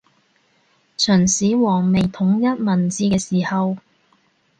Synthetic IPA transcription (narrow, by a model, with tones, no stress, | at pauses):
t͡ʃʰœː˨˩nsiː˨˥wɔː˨˩ŋme˨˩jt̪ʰʊ˨˥ŋjɐ˥t̚mɐ˨˩nt͡siː˧kɛː˧siː˨˩hɐ˨˧w